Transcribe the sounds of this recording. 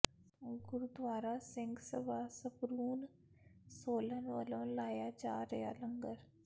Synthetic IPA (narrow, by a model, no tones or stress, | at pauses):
ɡʊɾud̪ʋaːɾasɪ̃ŋɡsəbʱaːsəpɾuːn | soːlənʋələ̃ːlaːjad͡ʒaːɾɐja̰ːləŋɡəɾ